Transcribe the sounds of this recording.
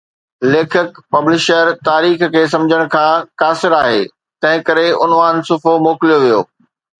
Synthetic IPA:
leːkʰɪkpɐblɪʃəɾt̪aːɾiːxkʰeːs̬ɐ̃md͡ʑʱəɽ̃kʰãːkaːsɪɾaːɦḛː | t̪ɐ̃ɦɪ̃kɐɾeʊnʋaːnsʊfomoːkɪlijoʋijoː

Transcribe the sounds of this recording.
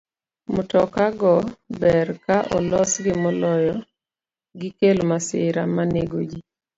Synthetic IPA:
mʊtɔkaɡɔbɛrkaʔɔlɔsɡɪmɔlɔjɔ | ɡɪkelomasɪɾamaneɡod͡ʒi

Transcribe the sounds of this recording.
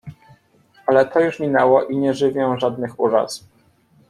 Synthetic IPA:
alɛt̪ʰɔjuʂmʲinɛwɔʔiɲɛʐɘvʲjɛ̃ʐad̪nɘxuɾa̰s

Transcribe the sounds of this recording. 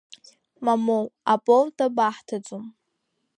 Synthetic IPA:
mamowapʼoltʰʼabaħtʰad͡zʼum

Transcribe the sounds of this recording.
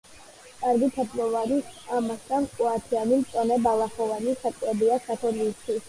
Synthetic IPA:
kʼaɾɡit̪ʰat̪ʰʼmɔvanisamast̪ʰʼankʼuat̪ʰianimt̪sʼɔnɛbalˠaχɔvanisakʼlɛbiaskʰat̪ʰɔliːst̪ʰwis

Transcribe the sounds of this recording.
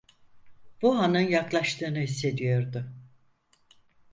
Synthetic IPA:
b̥uɦanɯnjaklˠaʃt̪ɯːnɯɦisːe̞d̪ijo̞ɾd̪ʊ

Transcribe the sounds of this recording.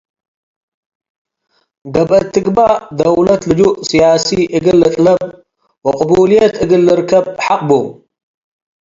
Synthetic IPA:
ɡɐbʔɐt̪ʰːɨɡbad̪ɐwlɐt̪ʰlɨd͡ʒuʔsijaːsiʔɨɡɨlːɨɬʼlɐb̚ | wɐqʼʊbuːlijɐt̪ʰɨɡɨlːɨɾkʰɐb̚ħaqʼbom

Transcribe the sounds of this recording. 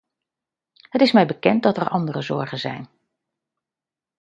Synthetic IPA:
ɦətɪsmɛjbəkɛnt̚dɑtəɹʔɑndərəzɔ̰ɹχənzɛ̰jn

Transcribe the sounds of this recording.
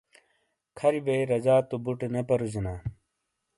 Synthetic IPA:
kʰɐɾibeiɾɐd͡ʑaːt̪ubuʈenepɐɾuzinaː

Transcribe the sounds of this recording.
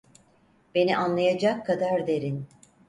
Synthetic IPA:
b̥e̞niʔanlˠajad͡ʒakʰːad̪aɾd̪e̞ɾin

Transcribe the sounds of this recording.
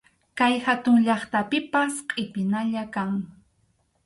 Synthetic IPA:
kajhat̪ʊŋʎɑχt̪apɪpasqʼɪpɪnaʎakaŋ

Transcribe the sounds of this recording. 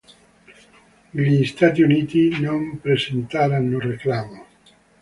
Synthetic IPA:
liːst̪at̪iunit̪inompɾesent̪aɾanloreklamo

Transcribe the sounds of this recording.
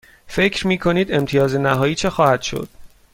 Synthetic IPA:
fe̞cʰɾmiːkʰo̞niːd̪e̞mt̪ʰijɒːzenæɦɒːjiːt͡ʃʰe̞xɒːhæd̪̥ʃo̰d̪̥̚

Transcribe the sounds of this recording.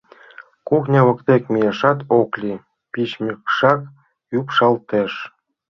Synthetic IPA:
kuxnʲɑβɤ̆kt̪ekmʲijeʃɑt̪oklʲi | pit͡ɕmʲikʃɑk | upʃɑlt̪eʃ

